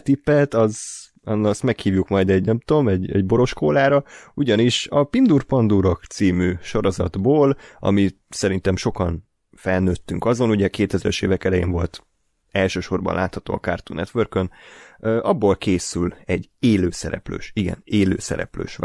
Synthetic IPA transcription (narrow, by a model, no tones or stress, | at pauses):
t̪ipːɛt̪ɒz | ɒnst̪mɛkhiːvjukmɒjd̪ɛɟnɛmt̪o̞mɛɟɛ̰ɟbo̞ɾo̞ʃkoːlaːɾɒuɟɒniʃɒpind̪urpɒnd̪uɾokt̪siːmyʃo̞ɾo̞zɒ̰d̪boːlɒ̰mi | sɛɾint̪ɛmʃo̞kɒn | fɛlnøːt̪ːyŋkɒzo̞nuɟɛkeːt̪ɛzɛlɛʃḛːvɛkɛlɛjḛːnvo̞lt̪ | ɛlʃøːʃo̞rbɒ̰nlaːt̪hɒt̪o̰ːɒ̰kart̪unɛt̪ʋørkønøʔɒbːo̞lkʰeːsylɛɟeːløːsɛ̰ɾɛ̰plø̰ːʃiɡɛ̰neːlø̰ːsɛ̰ɾɛ̰plø̰ːʃʋ